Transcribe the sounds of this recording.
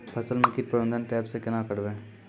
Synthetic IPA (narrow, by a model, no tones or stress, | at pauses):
pʰɐsəlmɐkiːɾ̚pɾəbə̃nd̪ʱənʈɛːpsekɪnãːkəɽʋẽː